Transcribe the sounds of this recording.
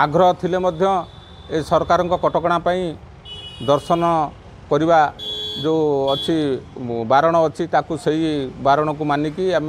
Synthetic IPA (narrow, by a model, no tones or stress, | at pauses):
aɡɾɔɦɔt̪ʰilemɔd̪ʱjɔ | esɔɾkaɾɔŋkɔkɔʈɔkɔɽ̃apaĩ | d̪ɔɾsɔnɔ | kɔɾibad͡ʒeɔt͡ʃʰibaɾɔɽ̃ɔːt͡ʃʰit̪akuseɦibaɾɔɽ̃ɔk̬umanikiame